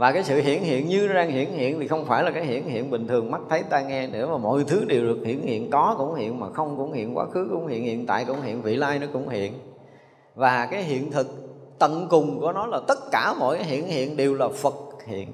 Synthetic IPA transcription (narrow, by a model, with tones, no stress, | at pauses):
vaː˨˩kaː˨˦jsɨ̰˧˨ɦḭ˧˨ənɦḭ˧˨ənɲɨ˧zaː˧ŋhḭ˧˨ənhḭ˧˨ənt̪ʰi˨˩xə˧wŋ͡mfaː˧˩jlaː˨˩kaː˨˦jɦḭ˧˨ənhḭ˧˨ənɓï˨˩ŋ̟t̪ʰɨ˨˩əŋma˦˥t̚t̪ʰə˨˦jt̪aː˧ŋɛ˧nḛ˧˥maː˨˩mo̰˧˨jt̪ʰɨ˨˦ɗe˨˩wɗɨ˨˩ək̚hḭ˧˨ənhḭ˧˨ənkɔ˨˦kʊ̰˧˥ŋ͡mhḭ˧˨ənmaː˨˩xə˧wŋ͡mkʊ̰˧˥ŋ͡mhḭ˧˨ənkwa̰ː˨˦˥xɨ˨˦kʊ̰˧˥ŋ͡mhḭ˧˨ənhḭ˧˨ənt̪a̰ː˧˨jkʊ̰˧˥wŋ͡mhḭ˧˨ənvḭ˧˨laː˧jnɔ˨˦kʊ̰˧˥wŋ͡mhḭ˧˨ən | vaː˨˩kaː˨˦jɦḭ˧˨ənt̪ʰɨ˨˩k̚ | t̪ə˧˨nkʊ˨˩ŋ͡mku˧˩ənɔ˨˦laː˨˩t̪ə˦˥t̚kaː˧˩mɔ̰˧˨jkaː˨˦jɦḭ˧˨ənhḭ˧˨ənɗe˨˩wlaː˨˩fə˨˩k̚hḭ˧˨ən